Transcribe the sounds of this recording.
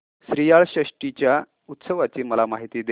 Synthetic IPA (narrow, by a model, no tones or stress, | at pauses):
sɾijaɭɕəʂʈit͡ɕja | ut̪səʋat͡ɕiːməlamaɦit̪iːd̪e